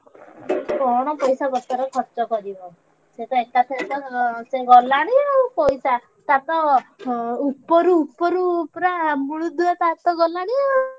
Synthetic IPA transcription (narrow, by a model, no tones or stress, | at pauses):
kɔɽ̃ɔpɔjsaɡɔt̪aɾɔkʰɔɾt͡ʃɔkɔɾibɔ | set̪ɔekat̪ʰit̪ɔseɡɔlaɽ̃iɔpɔjsa | t̪at̪ɔ | upːɔɾuːpːɔɾupɾamuɭud̪uat̪at̪ɔɡɔlaɽ̃i